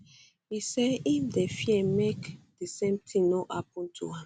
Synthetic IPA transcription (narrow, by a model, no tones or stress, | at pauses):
isɛifdefiɛmekd̥esẽmtʰĩŋnoʔapɔ̃ntʰṵã